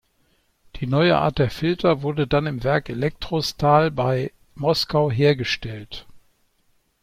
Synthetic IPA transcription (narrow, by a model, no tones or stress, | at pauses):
d̥iːnɔʏəʔa̰ːɐt̚d̥eːɐfɪltʰɐvʊɐdədanɪmvɛɐkelɛk̚tʁ̥ostaːlbaɪ | mɔskaʊɦeːɐɡəʃtɛlt